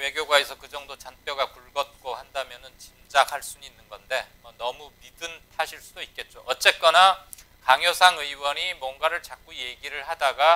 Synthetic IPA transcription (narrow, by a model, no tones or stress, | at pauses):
we̞ɡjoɡwae̞sʰʌkɯd͡ʑʌŋdot͡ɕanp͈jʌɡapuɭɡʌt̚k͈ohandamjʌnɯnt͡ɕind͡ʑakʰaɭs͈uninːɯnɡʌnde̞ʌnʌmumidɯntʰaɕʰiɭs͈udoit̚k̚k͈e̞t̚t͡ɕ͈oʔʌt̚t͡ɕ͈e̞k͈ʌna | kaŋjʌsʰaŋɯiwʌɲimwʌnɡaɾɯɭt͡ɕak͈̚uje̞ɡiɾɯɭhadaɡa